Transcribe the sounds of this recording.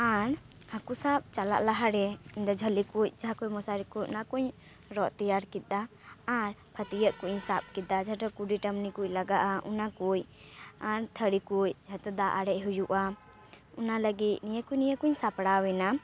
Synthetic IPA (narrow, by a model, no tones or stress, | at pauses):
aɾ | hãkusap̚t͡ʃala̰ʔlaɦaɽɛiɲd̪ɔd͡ʒʱəlikuc̚ˀd͡ʒaɦakujmɔsaɾikucnakuɲ | ɾɔʔt̪ijaɾkit̪̚ˀaː | ɾpʰət̪ijəʔkuʔɲsap̚kid̪ad͡ʒaʈɔkuɖiʈəmnikuclaɡaʔaʔṵnakuj | aɾt̪ʰəɽikuj̚d͡ʒʱaʈ̪ɔd̪aʔaɽɛʔɦujuʔa | unaləɡit̪̚nijəkujnijəkuɲsapɽawɛna